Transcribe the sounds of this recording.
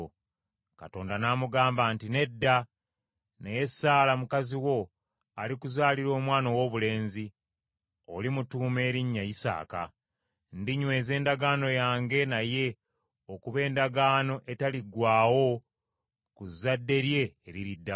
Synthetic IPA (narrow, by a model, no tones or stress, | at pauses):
kato̞ːndanaːmuɡaːmbaːntine̞dːa | neje̞saːlamukaziwo̞ | alikuzaːliɾo̞ːmwaːnowo̞ːβule̞ːnzi | o̞̰limutuːme̞ːɾiɲːajisa̰ːka̰ | ndiɲwe̞ːze̞ːndaɡaːno̞jaːŋɡe̞naje̞ | okuβe̞ːndaɡaːno̞ʔe̞taliɡwaːwo̞ | kuzːadːe̞ɾje̞ːɾiɾidːa